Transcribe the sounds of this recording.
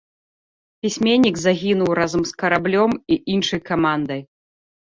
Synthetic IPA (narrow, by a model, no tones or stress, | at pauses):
pʲisʲmʲɛnʲːiɡzaɣʲinuwɾazɐmskɐɾablʲɔmiʔinʂɐjkamand̪ɐj